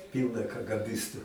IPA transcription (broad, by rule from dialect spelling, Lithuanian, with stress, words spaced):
ˈpʲiːlˠnɐ kɐɡɐˈbʲɪstʊ